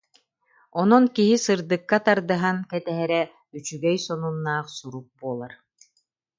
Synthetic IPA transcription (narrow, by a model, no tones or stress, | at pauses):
ɔnɔnkiɦisɯɾd̪ɯkːat̪aɾd̪ɯɦaŋkɛt̪ɛɦɛɾɛ | yt͡ʃyɡɛjsɔnunːaːχsuɾuk̚buɔːlˠaɾ